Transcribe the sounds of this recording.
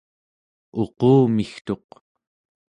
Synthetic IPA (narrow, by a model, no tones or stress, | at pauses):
o̞qoːmixt̪o̞q